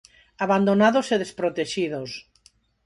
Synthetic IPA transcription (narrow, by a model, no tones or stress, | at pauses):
aβand̪onaðoseðespɾot̪eʃiðos